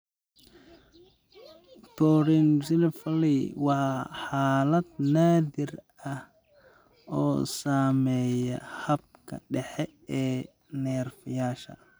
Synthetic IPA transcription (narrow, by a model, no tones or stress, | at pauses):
t̪ʰɔːɾinsɪlfɐliwɑħɑːlɐd̪naːðɪr | ɐh | ɔːsaːmɛːjɛ̰hɐb̚kʰɐ̰ɖɛħɛɛː | nɛːrfɪjaːʃɐ̰